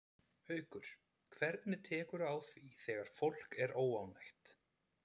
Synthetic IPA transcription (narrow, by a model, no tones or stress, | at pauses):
hœːɥkʏɾ̥ | kʰvɛɾt̪nɪt̪ʰɛːkʏɾaːwθviθɛːɣaɾ̥fowl̥kɛɾoːwawnajxt̪